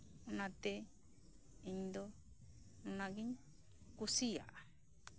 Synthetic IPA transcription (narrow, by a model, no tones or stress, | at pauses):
unãt̪e | ind̪o | nunãɡiɲ | kusija̰ʔ